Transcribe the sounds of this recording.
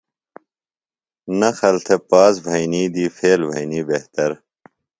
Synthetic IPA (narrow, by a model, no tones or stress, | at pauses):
nɐxɐlt̪ʰepaːzbʱɐjniːd̪iːfʰeːlbʱɐ̰jniːbeht̪ɐɾ